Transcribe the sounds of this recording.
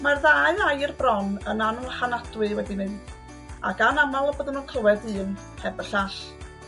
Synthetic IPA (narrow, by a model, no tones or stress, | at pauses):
marðaɨajrbrɔnənanuχanadwɨwɛdinɨnd̥ | a̰ɡanamalˠɔbəðənuːnkʰəwɛdɨːn | hɛbərɬaɬ